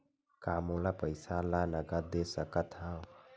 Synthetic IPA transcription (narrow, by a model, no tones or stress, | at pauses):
kamolapəjsalanəɡəɾd̪esəkət̪ʰɦaw